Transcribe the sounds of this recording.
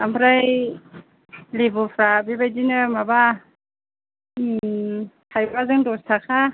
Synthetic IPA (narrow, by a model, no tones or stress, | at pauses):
ampʰɾaj | libupʰɾabibajdinɯmaba | tʰajbazɯŋdɔstʰakʰa